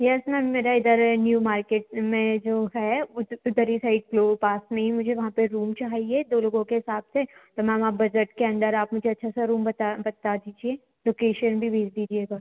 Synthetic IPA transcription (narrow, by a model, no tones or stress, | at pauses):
jɛsnɛmeːɾaɪd̪əɾnjuːmaːɾkeːʈmẽd͡ʒoːɦɛʊʊd̪əɾisaɪɖ̚kloːpaːsmẽɦimʊd͡ʒʱeʋɐɦãpeɾuːmt͡ʃaːɦied̪oːloːɡõkeɦɪsaːbset̪omɛ̃mãbɐd͡ʒəʈkeɐ̃nd̪əɾaːpmʊd͡ʒʱeɐtːʃʰasaɾuːmbɐt̪abɐt̪ad̪iːd͡ʒieː | loːkeːʃənbʱibʱeːd͡ʒd̪iːd͡ʒieːɡaː